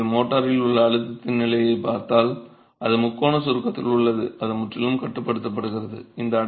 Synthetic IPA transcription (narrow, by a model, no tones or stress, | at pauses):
moːʈːɐɾɪlʊɭːɐːɻɯt̪ːɐt̪ːɪnnɪlɐjɐɪpaːɾt̪aːl | ʔɐðɯmʊkːoːɳɐsʊɾɯkːɐt̪ːɪ̰lʊɭːɐðɯɐðɯmʊʈrɪlɯmkɐʈːɯpːɐɽɯt̪ːɐp̬ːɐɽɯɣɪrɐðɯ̰ɪnd̪ɐː